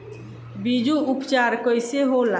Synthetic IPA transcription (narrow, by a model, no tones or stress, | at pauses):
bid͡ʒuupt͡ʃaɾkəjseɦola